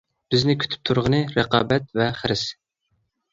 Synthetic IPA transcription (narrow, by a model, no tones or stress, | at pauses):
b̥ɪznɪkʲʰy̥t̪ʰy̥p̚t̪ʰuɾʁənɨɾəqɑ̰ːbɛt̪̚vɛχəɾɪs